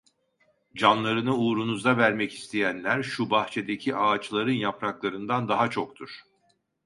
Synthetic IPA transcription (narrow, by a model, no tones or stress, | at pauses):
d͡ʒanlˠaɾɯnɯuːɾunuzd̪avæɾmɛci̥st̪ʰejænlʲæɾʃubaxt͡ʃʰe̞d̪ecʰiʔaːt͡ʃlˠaɾɯnjapɾaklˠaɾɯnd̪and̪aɦat͡ʃʰo̞kt̪ʰuɾ̥